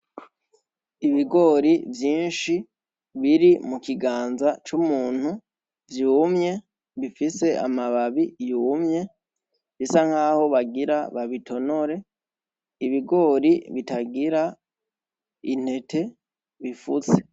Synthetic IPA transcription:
iβiɡo̞ːɾivjiːnʃi | βiɾimukiɡaːnzat͡ʃumuːn̥hu | vjumɲe̞ | βifise̞ʔa̰maβaβijuːmɲe̞ | βisaŋhaːho̞βaɡiɾaβaβitʰo̞no̞ɾe̞ | iβiɡo̞ːɾiβitaɡiɾa | in̥he̞tʰe̞ | βifut͡se

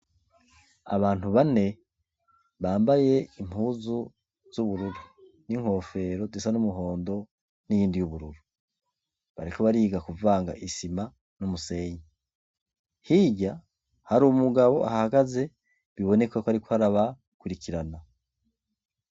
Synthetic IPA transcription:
a̰βaːn̥huβane̞ | βaːmbaje̞im̥uːzu | z̥uβuɾuɾu | niŋ̥ho̞ːfe̞ɾo̞zesanumuɦo̞ːndo̞ | nijiːndijuβuɾuɾu | βa̰ɾikʰoβaɾiːɡakuvaːŋɡa̰ʔisima | numuse̞ːji | hiɟa | haɾumuɡaβo̞ʔa̰hahaɡaze̞ | βiβo̞ne̞kwakoaɾikohaɾaβa | kuɾikiɾana

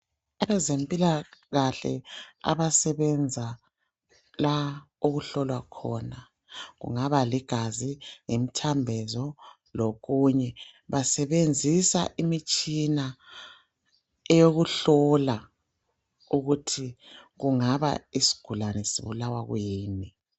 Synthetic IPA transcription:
ajɛzempʼilaɣaɬɛ̰a̰βasɛβɛnd͡zʱa | la | oɣuɬɔlwakʰɔ̰na | ɣṵŋaβaliɡ̥ʱaziŋemitʰambʱɛzɔ | loɣuɲɛβasɛβend͡zʱisa̰ʔimit͡ʃʼina | ɛjoɣuɬɔla | uɣutʰiɣuŋaβa̰isi̥ɡ̥ʱulanɛsḭβulawa̰ɣweːni

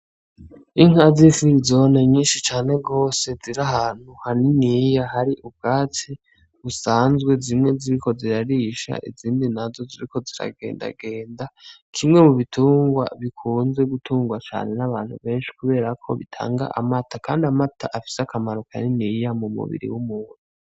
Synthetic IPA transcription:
iŋ̥hazifuɾizo̞neɲiːnʃit͡ʃaːne̞ɡo̞ːse̞ziɾaɦaːn̥huhaninijaɦaɾiʔub̚ɡaːt͡si | usaːnzɡwe̞zimŋe̞ziɾiko̞ziɾaɾiʃa̰ʔḭziːndinazo̞ziɾikʰo̞ziɾa̰ɡeːnda̰ɡe̞ːndakʰimŋe̞muβitʰuːŋɡwa̰βikʰuːnze̞ɡutʰuːŋɡwat͡ʃa̰ːne̞naβaːn̥hṵβe̞ːnʃi̥kuβe̞ːɾakʰo̞̰βḭtʰa̰ːŋɡa̰ʔamatʰakʰaːndiamatʰaʔafi̥sakamaɾo̞ka̰ninijamumṵβḭɾḭwumuːn̥u

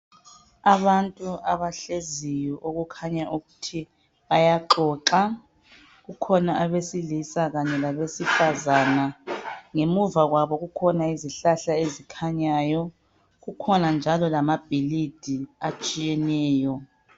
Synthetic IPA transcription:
aβantʼuaβaɬezijɔʔoɣukʰaɲaʔuɣutʰi | βajaǃɔːǁa | ɣukʰɔnaʔaβesilisaɣaɲɛlaβesifazaːnaŋemuvaɣwaβɔɣukʰɔnaiziɬaɬaezikʰaɲaːjɔ | ɣukʰɔnand͡ʒʱalɔlamab̥ʱilid̥ʱiat͡ʃʼijɛnɛːjɔ

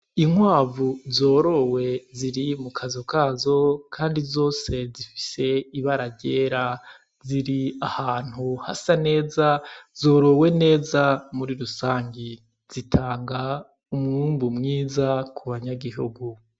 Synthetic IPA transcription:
iŋwaːvuzo̞ːɾo̞we̞ziɾimukʰazokaːzo̞kʰaːndizo̞ːse̞zifi̥se̞iβaɾaɟe̞ːɾa | ziɾiahaːn̥huha̰sane̞ːzaz̥o̞ːɾo̞we̞ne̞ːzamuɾiɾusaːɲɡi | z̥itʰaːŋɡa | umŋuːmbumŋiːzakʰuβaɲaɡiɦṵɡu

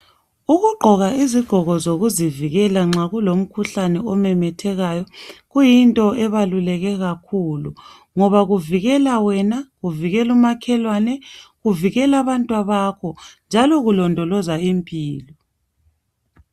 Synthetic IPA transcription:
uɣuɡ͡ǃʱɔɣaiziɡ͡ǃ̥ʱɔɣɔzoɣuziviɣɛlaŋ͡ǁaɣulom̩kʰuɬanɛɔmɛmɛtʰɛɣajɔɣujintʼɔɛβalulɛɣɛɣakʰulu | ŋɔβaɣuviɣɛlawɛnaɣuviɣɛlumakʰɛlwanɛɣuviɣɛlaβantʼwaβakʰɔnd͡ʒʱalɔɣulɔndʱɔlɔzaimpʰʼiːlɔ

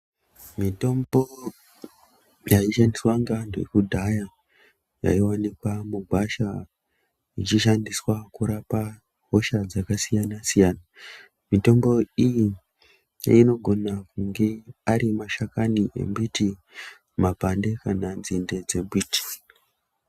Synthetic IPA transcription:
mito̞mbo̞ | jaiʃandiswaŋɡandḛkudʱaja | ja̰iwanikwamuɡʱwaʃa | it͡ʃiʃandiswakuɾapa | ɦo̞ʃad͡zakasijanasijaːna | mito̞mbo̞ijḭ | ino̞ɡʱo̞nakuŋɡe̞aɾimaʃakaniʔḛmbiti | mapande̞kananzinde̞d͡ze̞bʱiːti̥

